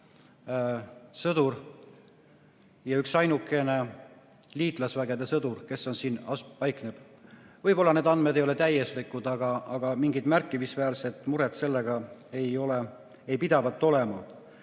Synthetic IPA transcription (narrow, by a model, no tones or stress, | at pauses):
sɤd̪ur | jɑyksɑjnukːˑe̞ne̞ | liːt̪ˑlɑsvæɡe̞d̪e̞sɤd̪urke̞so̞nsiːnɑspɑjkneb̥ | vɤjpo̞lːɑned̪ɑnd̪me̞d̪ejo̞let̪æje̞slikud̪̥ɑɡ̥ɑɑɡ̥ɑmiŋɡid̪̥mærkːˑimisvæːlse̞t̪ːˑmuɾet̪se̞lːe̞ɡ̥ɑe̞jo̞le | ejpid̪̥ɑvɑt̪ːo̞le̞mɑ